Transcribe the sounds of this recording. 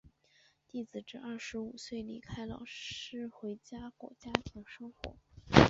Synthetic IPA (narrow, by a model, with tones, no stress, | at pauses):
t̪i˥˩t͡sɹ̩˨˩ʈ͡ʂɻ̩˥ʔɐ˥˩ʂɻ̩˧˥u˨˩swe˥˩ɪlḭ˥˩kʰa˥ɪlɑ˨˩ʊɻ̩˥xwe˧˥ɪt͡ɕja˥kwɔ̰˨˩t͡ɕja˥t̪ʰi˧˥ŋʂɤ˥ŋxwɔ̰˧˥